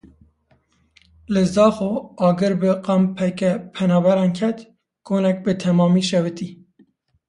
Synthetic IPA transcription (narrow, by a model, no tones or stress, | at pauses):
lɨzɑːxoɑːɡɨɾbɨqɑmpʰɛkɛpʰɛnɑːbɛɾɑːnkʰɛt̪ | ɡoːnɛk̚bɨt̪ʰɛmɑːmiːʃɛwɨt̪iː